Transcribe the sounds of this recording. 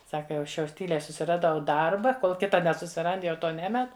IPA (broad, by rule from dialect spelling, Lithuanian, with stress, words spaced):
ˈsɑːkɐ jɛʊ ˈɐʃ jɛʊ ˈtʲiːlʲɛɪ sʊsʲɪrɐˈdɐʊ ˈdɐrbɐ ˈkoːlˠ ˈkʲɪtɐ nʲɛsʊsʲɪˈrɐnt jɛʊ ˈtoː ˈnʲæːmʲɛt